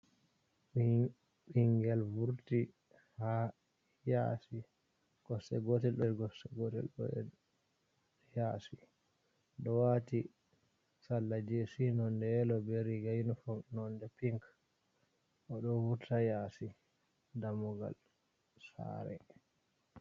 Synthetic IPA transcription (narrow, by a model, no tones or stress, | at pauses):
ɓiŋɡɛlvuɾti | ha | ja̰si | ɡ̥ɔsɛ̰ɡɔtɛlɗɛɾɡɔsɛɡɔtɛ̰lɔ̰ɛ̰ | jaːsi | ɗɔwati | salːad͡ʒesinɔndɛɛlɔbeɾiɡajnufɔnɔndɛpiŋk | ʔɔɗɔvuɾtajasi | damuɡa̰l | sa̰ɾɛ̰